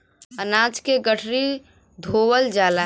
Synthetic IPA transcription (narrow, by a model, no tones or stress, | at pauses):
ənaːd͡ʒkeɡəʈʰɾi | d̪ʱowəld͡ʒaːla